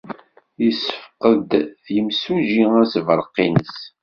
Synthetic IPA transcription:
jəsːəfqəd̪ðjəmsuʒiæsvəɾˤqːinəs

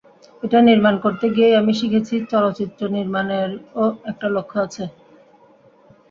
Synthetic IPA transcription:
eʈaniɾmankoɾt̪eɡieamiʃikʰet͡ɕʰit͡ɕɔlot͡ɕit̪ːɾoniɾmaneɾoɛk̚ʈalokʰːoat͡ɕʰe

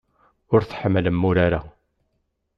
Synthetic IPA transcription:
ʊɾθħəmːləmːʊɾaɾa

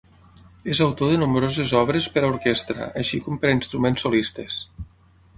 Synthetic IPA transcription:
ezawt̪oðənumbɾozezɔβɾespəɾauɾkest̪ɾə̰ʔəʃikɔmpəɾainst̪ɾumensːolist̪es

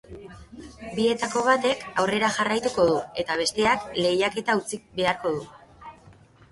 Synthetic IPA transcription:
bie̞t̪ako̞β̞at̪e̞kawre̞ɾaʝarajt̪uko̞ðue̞t̪aβ̞e̞st̪e̞akle̞jake̞t̪aut͡sibe̞aɾko̞ð̞u

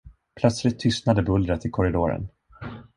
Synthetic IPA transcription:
pʰlœt̪slɪt̪ʰːʏst̪nad̪əbɵld̪ɾət̪ɪkʰɔɾɪd̪oːɾə̰n

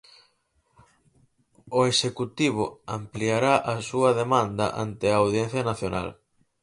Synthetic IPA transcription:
ʊesekut̪iβ̞ʊa̰mpliaɾaʔɐsuɐðemand̪ɐ̰ʔa̰nt̪ɪaːwðjẽn̟θjɐnaθjona̰l

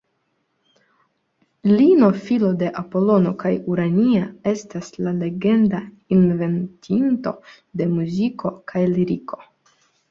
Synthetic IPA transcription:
lino̞filo̞de̞ʔapo̞lo̞no̞kajuɾaniae̞staslale̞ɡe̞nda | inve̞ntʰinto̞̰ | de̞muzikʰo̞kʰajliɾiko̞̥

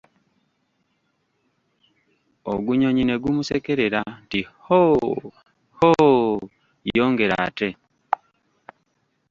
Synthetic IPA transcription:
o̰ɡuɲo̞ɲine̞ɡumusekeɾeɾantiho | ho | ijoːŋɡe̞ɾa̰ːte̞

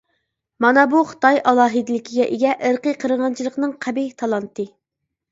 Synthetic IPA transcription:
mɑnɑbuχə̥t̪ɑjʔɑlˠɑːɦɨd̪ɪlɪkʲʰiɡʲɛʔeɡʲɛʔəɾqəqʰəɾəʁɑnt͡ʃʰilˠəqnɨŋqʰæbit̪ʰɑlˠɑnt̪ɨ

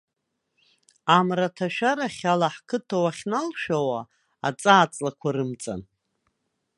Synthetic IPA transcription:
amratʰaʃᶣaɾaχʲalaħkʰɨtʰawaχʲnalʃᶣawa | a̰t͡sʼaːt͡sʼlakʷʰaɾɨmt͡sʼa̰n

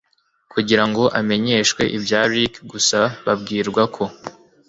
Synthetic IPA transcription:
kuɟiɾaŋɡo̞ʔame̞ɲe̞ːʃwe̞ʔibjaːɾikɡusaβabɡiːɾɡwakʰo̞

